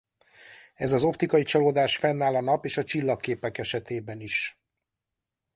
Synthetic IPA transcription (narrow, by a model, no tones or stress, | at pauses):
ɛzɒzo̞pt̪ikɒit͡ʃɒloːd̪aːʃfɛnːaːlɒnɒpeːʃɒt͡ʃilːɒkːeːpɛkɛʃɛt̪eːbɛniʃ